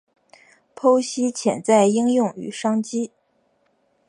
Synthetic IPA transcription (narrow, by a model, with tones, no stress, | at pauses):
pʰo˥ʊɕi˥t͡ɕʰjɛ̰˨˩nt͡sa˥˩ɪi˥ŋjʊ˥˩ŋy̰˨˩ʂɑ˥ŋt͡ɕi˥